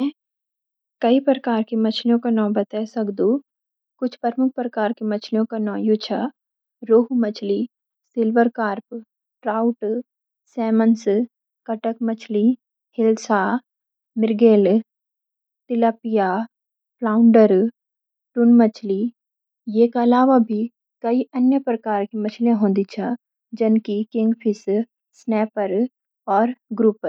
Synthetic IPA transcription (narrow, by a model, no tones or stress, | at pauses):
kɐipɾəkaːɾkemɐt͡ʃʰljõkanɔ̃ːbɐt̪ɛsɐkd̪ũ | kʊt͡ʃʰpəɾmʊk̚ʰpɾɐkaːɾkemɐt͡ʃʰljõkanɔ̃ːjut͡ʃʰa | ɾoːɦumɐt͡ʃʰli | sɪlʋəɾkaːɾp | ʈɾaːʊʈ | sɛːməns | kɐʈək̚mɐt͡ʃʰli | hɪlsa | mɪɾɡeːl | t̪ɪlaːpija | plaːʊɳɖəɾ | ʈʊnmət͡ʃʰli | jeːkaɐlaːʋabʱi | kɐiʔɐnjəpɾɐkaːɾkimɐt͡ʃʰlẽɦõːnd̪it͡ʃʰa | d͡ʒɪnkikɪ̃ŋɡpʰɪs | snɛːpəɾ | ɔːɾɡɾup